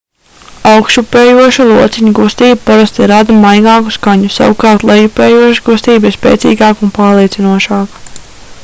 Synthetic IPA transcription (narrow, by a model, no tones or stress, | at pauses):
awkʃupeːjuɔʃulˠuɔt̪sɛɲuɡust̪iːbupaɾast̪iɾad̪ɐmajɡɑːku̥skaɲusa̰wukɑːɾt̪lˠɛjupeːjuɔʃɡust̪iːbiɾspʲḛːt̪sḭːɡɑːkunpaːɾlˠiɛsinuɔʃɑːk